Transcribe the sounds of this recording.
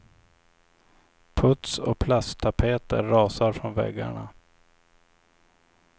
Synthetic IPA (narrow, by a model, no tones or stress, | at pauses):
pʰɵt̪sɔpʰlast̪ʰapʰeːt̪əɾːɑːsaɾfɾɔnvɛ̰ɡːa̰ɳa̰